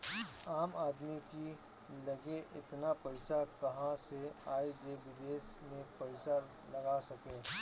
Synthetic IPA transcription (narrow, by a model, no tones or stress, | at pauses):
aːmaːd̪miki | lɐɡeʔɪt̪napɐɪsakɐɦãseaːed͡ʒeʋɪd̪eːsmẽpɐɪsa | lɐɡasɐkeː